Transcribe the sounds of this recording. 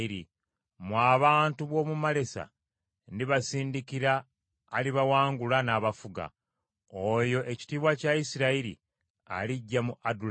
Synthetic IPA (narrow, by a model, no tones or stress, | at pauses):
iɾi | mwaːβaːntuβwo̞ːmumale̞sa̰ | niβasiːndikiɾaː | liβawaːŋɡulanaːβafuɡa̰ | ojo̞ʔe̞ci̥tiːβwacaisiɾaiɾḭ | a̰liɟːamuʔadul